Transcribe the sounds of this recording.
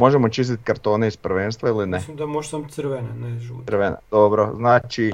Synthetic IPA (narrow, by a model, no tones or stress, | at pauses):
mo̞ʒemo̞t͡ʃist̪it̪kaɾt̪o̞ːneispɾ̩ʋeːnst̪ʋailineslimd̪amoʒsamsɾʋenaneʒuɾʋenḛd̪obɾoznaːt͡ʃi